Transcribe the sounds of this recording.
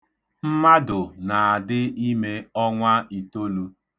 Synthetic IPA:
m̩˦ma˦dʊ˨na˨a˨dɪ˦i˦me˦ɔ˦ŋʷa˦i˨to˦lu˦

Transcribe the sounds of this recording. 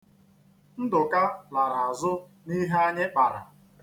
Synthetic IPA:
n̩˦dʊ˨ka˦la˨ɾa˨a˨zʊ˦ | ni˦ɦe˦a˦ɲɪ˦k͡pa˨ɾa̰˨

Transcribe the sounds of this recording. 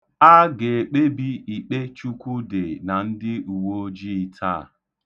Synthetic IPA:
a˦ɡe˨e˨k͡pe˦bi˦i˨k͡pe˦t͡ʃu˦kʷu˦de˨na˨n̩˦dɪ˦u˨wo˦d͡ʒi˦tʰa̰˦˨

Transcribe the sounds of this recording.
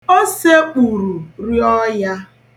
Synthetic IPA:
o˦se˦k͡pu˨ɾu˨ɾi˦ɔ˦ja˦

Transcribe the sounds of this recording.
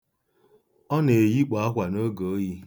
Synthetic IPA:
ɔ˦ne˨ji˦k͡pa˨a˦ɦʷa˨no˦ɡo˨o˦ji˦

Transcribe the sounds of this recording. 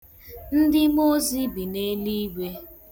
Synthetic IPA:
n̩˦dɪ˦mo˦zi˦bi˨ne˦li˦ɡe˦

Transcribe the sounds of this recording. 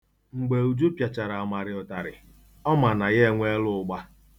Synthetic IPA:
ŋ͡m̩˨ɡ͡be˨u˨d͡ʒu˦pja˨t͡ʃa˨ɾa˨a˨ma˨ɾɪ˨ɔ˨ta˨ɾɪ̰˨ | ɔ˦ma˨na˨ɣe˦e˦ŋʷe˦lʊ˦ʊ˦ɡ͡ba˦

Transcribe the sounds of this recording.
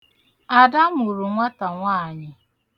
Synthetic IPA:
a˨da˦mʊ˨ɾʊ˨ŋʷa˦ta˨ŋʷaː˦˨ɲɪ˦

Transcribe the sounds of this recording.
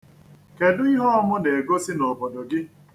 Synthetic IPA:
ke˨dʊ˦i˦ɦɔ˦ɔ˦mʊ˦ne˨e˨ɡo˦si˦no˨bo˨do˨ɡɪ˦

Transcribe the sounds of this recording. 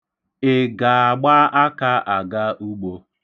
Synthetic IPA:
ɪ˨ɡa˨a˨ɡ͡ba˦ʔa˦ka˦ʔa˨ɡa˦ʔu˦ɡ͡bo˦

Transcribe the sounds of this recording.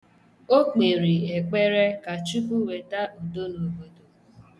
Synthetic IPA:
o˦k͡pe˨ɾi˨e˨k͡pe˦ɾe˦ka˨t͡ʃu˦ku˦we˨ta˦ʔo˨do˦no˨bo˦do˨

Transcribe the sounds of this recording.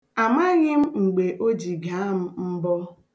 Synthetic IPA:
a˨ma˦ɣɪ˦m̩˦ŋ͡m̩˨ɡ͡be˨ʔo˦d͡ʒi˨ɡa˨˦m̩˦m̩˦bɔ˦

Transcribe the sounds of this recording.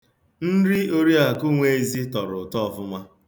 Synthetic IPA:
n̩˦ɾi˦o˦ɾi˦a˨ku˦ŋʷe˦e˦zi˦tɔ˨ɾʊ˨tɔ˦ɔ˨vʊ˦ma˦

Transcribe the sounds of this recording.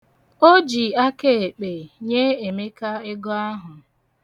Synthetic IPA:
o˦d͡ʒi˨a˦ke˦˨e˨k͡pe˨ɲe˦e˨me˦ka˦e˦ɡɔ˦a˦ɦʊ˨

